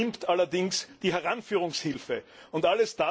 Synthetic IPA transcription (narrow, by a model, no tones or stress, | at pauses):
ɪmptʔalɐdɪŋsd̥iːɦɛɐʁanfyːʁ̞ʊŋshɪlfə | ʊntaləsd̥a